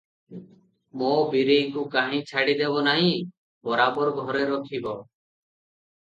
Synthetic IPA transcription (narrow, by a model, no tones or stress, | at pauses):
mõːbiɾeŋkukaɦĩt͡ʃʰaɽid̪ebɔnaɦĩ | bɔɾaːbɔɾɡʱɔɾeɾɔkʰibɔ